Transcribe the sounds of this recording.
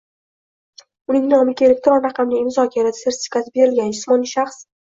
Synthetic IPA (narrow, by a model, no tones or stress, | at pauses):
ʊnɪŋnɪɒmɪkʲelʲek̚ʲt̪ɾɔnɾɑqʰɑmnɪmʊzɒkʲʰaɾad̪ḁseɾt̪ʰʲɪ̥fʲi̥kʰasɪbe̞ɾɪlɡʲand͡ʒʊsmɒniʃaχs